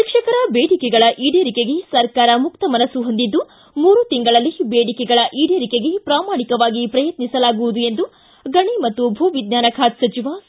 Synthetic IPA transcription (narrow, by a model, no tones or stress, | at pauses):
ʃikʂɐkɐɾɐbeːɽikɛɡɐɭɐʔiːɽeːɾikeɡe̞sɐɾkaːɾɐmukt̪ɐmɐnɐsuɦond̪id̪ːu | muːɾut̪iŋɡɐɭɐlːibeːɽikɛɡɐɭɐʔiːɽeːɾikeɡe̞pɾaːmaːɳikɐʋaːɡipɾɐjɐt̪nisɐlaːɡuʋud̪ue̞nd̪u | ɡɐɳimɐt̪ːubʱuːʋid̪naːnɐkʰaːt̪sɐt͡ʃiʋaː